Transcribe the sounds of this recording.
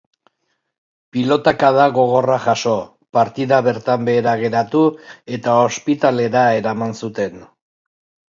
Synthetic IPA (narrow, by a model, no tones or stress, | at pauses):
pilo̞t̪akaðaɣo̞ɣ̞o̞raʝaʃo̞ | paɾt̪iðaβe̞ɾt̪ambe̞ːɾaɣ̞e̞ɾat̪ue̞t̪ao̞spit̪ale̞ɾae̞ɾamansut̪e̞n